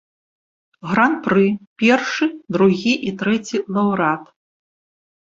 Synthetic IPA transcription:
ɣɾanpɾɨpʲɛrʂɨd̪ɾuɣʲiʔit̪ɾɛt͡sʲilˠɐwɾat̪

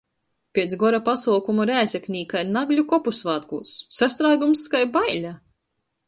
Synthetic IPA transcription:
pʲeɛt̪sɡɔɾapasuːkumuɾæːsʲeknʲiːkainaɡlʲukɔpusvaːt̪kuːsːast̪ɾaːɡumskajbajlʲa

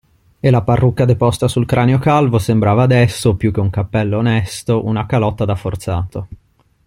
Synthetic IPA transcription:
elaparːukːad̪epɔst̪asulkɾʔaːneokalvosembɾaːvaːd̪ɛsːopjuk̟ːeuŋkapːɛlːoːnɛst̪oʔunakalɔt̪ːad̪afːort̪saːt̪o

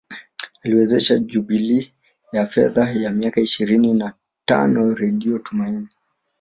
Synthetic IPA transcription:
aliwɛzɛʃaʄuɓili | jafɛðajamiakaiʃiɾinina | ta̰nɔɾɛɗiɔtumaini

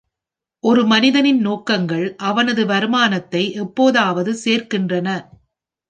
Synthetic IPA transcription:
ʔɔɾɯmɐnɪðɐnɪnnoːkːɐŋɡɐɭʔɐʋɐnɐðɯʋɐɾɯmaːnɐt̪ːɐɪʔɛpːoːðaːʋɐðɯseːrkɪndrɐnɐ

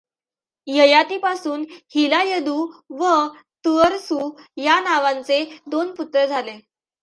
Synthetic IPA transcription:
jəjat̪iːpasuːnhilajəd̪uːʋə | t̪əɾsuːjanaʋãnt͡sed̪onput̪ɾəd͡zʱale

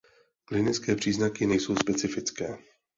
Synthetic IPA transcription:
klɪnɪt͡skɛːpr̝̥iːznakɪnɛjso̞wspɛt͡sɪfɪt͡skɛː

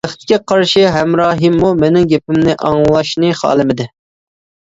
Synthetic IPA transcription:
æχt̪ɪ̥kʲɛqʰɑɾʃiɦɛmɾɑːɦɨmːumenɪŋɡʲepɪmnɪʔɑŋlˠɑʃnɨχɑ̰ːlˠɨmɪd̪ɪ

